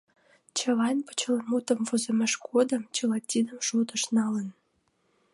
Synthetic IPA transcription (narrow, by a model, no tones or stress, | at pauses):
t͡ɕə̆lɑnpə̥t͡ɕələnmut̪ə̆mvozəmʲeʃkʰod̪ə̆mt͡ɕəlɑtʲːid̪əmʃot̪ə̆ʃnɑlən